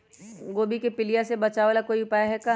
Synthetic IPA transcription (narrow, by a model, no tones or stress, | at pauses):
ɡoːbikepɪlijasebɐt͡ʃaːʋaːlakoːiʊpaːjaɦɛka